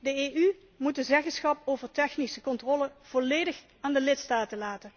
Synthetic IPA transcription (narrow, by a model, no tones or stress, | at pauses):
dəeʔy | mut̚dəzɛχənsχɑpowvəɹtɛxnisəkɔntrɔləv̥ɔlejdəx | aːndəlɪtstaːtəlaːtən